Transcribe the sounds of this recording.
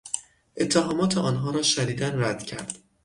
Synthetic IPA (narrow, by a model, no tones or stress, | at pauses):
ʔe̞t̪ʰːeɦɒːmɒːt̪ʰeʔɒːnɦɒːɾɒːʃæniːd̪ænræd̪̥cʰæɾd̪̥